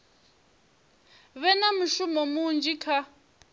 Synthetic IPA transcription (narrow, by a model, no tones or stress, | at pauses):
βɛnamuʃumɔmund͡ʒikʰa